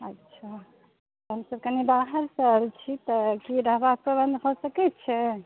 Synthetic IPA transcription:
ətːʃʰa | t̪ɦəmsəb̚kənibaɦəɾsəɾt͡ʃʰit̪əkiɾəɦbapɾəbənd̪ʱbʱɔsəkɛtt͡ʃʰɛ

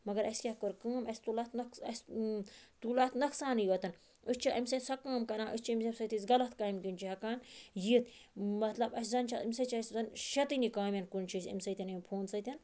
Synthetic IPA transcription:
mɐɡɐɾɐskʲahkoɾkaːmɐsʲt̪ulɐt̪nɐkɐsʲ | t̪ulat̪nɐksaːnɨjʋɐt̪ɐn | ɨsʲt͡ʃʰiʔɐmʲsɐtsɐkaːmkɐnãːʔɨst͡ʃʰiɐmsɐbsɐt̪isɡɐlɐt̪kaːimkint͡ʃʰiɦɐkaːnjiːt̪mɐt̪lɐbɐsʲzɐnt͡ʃʰɐimʲsɐt͡ʃʰɐsʲzɐnʃɐt̪ɨnikaːmjɐnkunt͡ʃʰisʲɐ̰mʲsɐt̪ʲɐnɐmpʰoːnsɐt̪ʲɐn

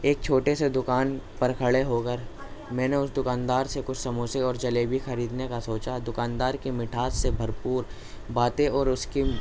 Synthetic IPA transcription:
eːk̚t͡ʃʰoːʈesed̪ʊkaːnpɐɾkʰɐɭeɦoːkəɾ | mɛ̃ːneʊsd̪ʊkaːnd̪aːɾsekʊt͡ʃʰsɐmoːseɔːɾd͡ʒɐleːbʱixɐɾiːd̪nekasoːt͡ʃad̪ʊkaːnd̪aːɾkimɪʈʰaːt̪sebʱɐɾpuːɾ | baːt̪ẽɔːɾʊski

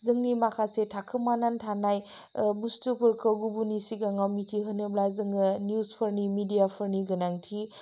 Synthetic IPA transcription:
zɯŋnimakʰasetʰakʰɯmanantʰanaj | bustupʰɯɾkʰɐɡubunisiɡaŋawmitʰiɦɯnɯblajzɯŋɯnijuspʰəɾnimidijapʰɐɾniɡɐnaŋtʰi

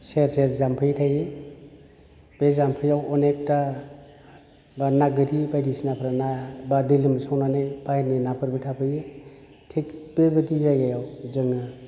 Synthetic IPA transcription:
seɾsezampʰɯjtʰaje | b̥ezampʰɯjawɔnek̚ta | banaɡɯɾibajdisnapʰɾanabadilɯmsawnanajbajninapʰɯɾbetʰapʰɯje | tʰek̚b̥ebɯdizajɡajawzɯŋɯ

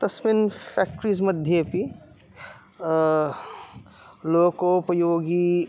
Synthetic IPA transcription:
t̪ɐsminpʰɛːk̚ʈɾis̬mɐd̪ʱjepi | loːkopɾɐjoːɡi

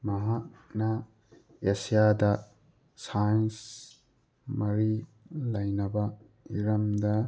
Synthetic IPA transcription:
mɐɦak̚nɐ | esijadɐ | sajns | mɐɾi | lɐjnɐbɐ | iɾɐmdɐ

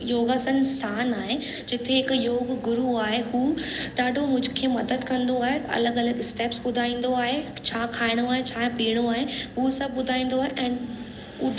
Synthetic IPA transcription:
joːɡəsənsaːnaːɦe | d͡ʑɪt̪ʰeɦɪkjoːɡɡʊɾuaːɦeɦuːɗaːɖʱomʊ̃d͡ʑʱʊkʰeːmɐd̪əd̪kɐ̃nd̪oaːɦeɐ̰ləɡɐləɡɪsʈeːpsɓʊd̪ʱaːĩːn̆d̪oaːɦet͡ɕʰaːkʰaːɪɽ̃oaːɦet͡ɕʰãːpiːɽ̃uaːɦeɦuːsɐbʱɓʊd̪ʱaːĩːn̆d̪oaːɦeʔɛ̃ːn | ʊd̪ʱ

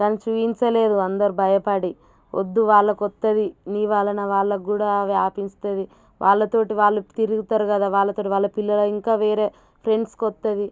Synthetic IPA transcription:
kaːnit͡ʃuːjiɲt͡ʃɐleːd̪uɐnd̪ɐɾubʱɐjɐpɐɽi | ʔo̰d̪ːuʋaːɭːɐkɔt̪ːɐd̪iniːʋaːɭɐnɐʋaːɭːɐɡuːɽaːʋaːpinst̪ɐd̪i | ʋʔaːɭːɐt̪o̞ːʈiʋaːɭːut̪iɾuɡut̪aːɾukɐd̪aːʋaːɭːɐt̪oːʈiʋaːɭːɐpilːɐloːiŋkaːʋeːɾe̞ː | pʰɾe̞ɳɖskɔt̪ːɐd̪i

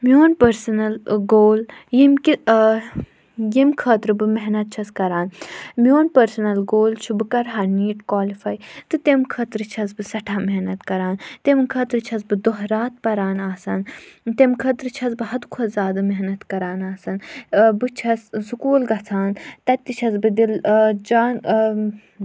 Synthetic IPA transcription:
mioːnpɐɾsɐnɐlɡoːljimki | jimkʰɐːt̪ɾɨbɨmeɦnɐt̪̚t͡ʃʰɐskɐɾaːnmijoːnpɐɾsɐnɐlɡoːlt͡ʃʰubɨkɐɾɦaniːʈkwaːlifɐjt̪ɨt̪emkʰɐːt̪ɾɨt͡ʃʰɐz̬bɨsɐʈʰaːmeɦnɐt̪kɐɾaːnt̪emkʰɐːt̪ɾɨt͡ʃʰɐzbɨd̪oɦɾaːt̪̚pɐɾaːnaːsɐnt̪emkʰɐt̪ɾɨt͡ʃʰɐzbɨɦɐd̪kʰɐzaːd̪ɨmeɦnɐt̪kɐɾaːnaːsɐnbɨt͡ʃʰɐssukuːlɡɐt͡sʰaːnt̪ɐt̪ʲt̪ːit͡ʃʰɐzbɨd̪ild͡ʒaːn

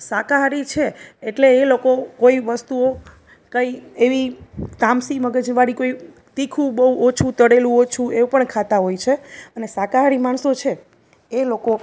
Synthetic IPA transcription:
sakaɦaɾit͡ʃʰeːʈleːlokokoiʋəst̪uo | kəieʋit̪ãmsiməɡəd͡ʒʋaɽikoi | t̪ikʰũbəuot͡ʃʰut̪əɽelũot͡ʃʰuepəɳkʰat̪aɦojt͡ʃʰeənesakaɦaɽimaɳsot͡ʃʰeː | loko

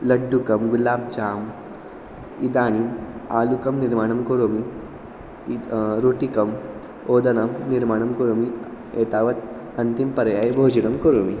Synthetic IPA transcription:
lɐɖːukɐmɡulaːb̚d͡ʒaːm | id̪aːniaːlukɐmniɾmaːɳ̃ɐmkoɾomi | ɾoːʈikɐm | oːd̪ɐnɐmniɾmaːɳɐmkoɾomi | eːt̪aːʋɐt̪ | ɐnt̪impɐɾjaːjbʱoːd͡ʒinɐmkoɾomi

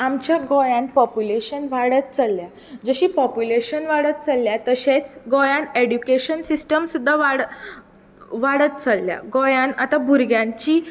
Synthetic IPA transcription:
amt͡ɕjaɡɔjãnpɔpjuleɕənʋaɽət̪̚t͡səlːja | d͡zəɕiːpɔpjuleɕənʋaɽət̪̚t͡salːjat̪əɕet͡sɡɔjãneɽjukeɕənsisʈəmsud̪ʱːaʋaɽ | ʋaɽət̪̚t͡salːja̰ɡɔjãnat̪abʱuɾɡjãɲt͡ɕiː

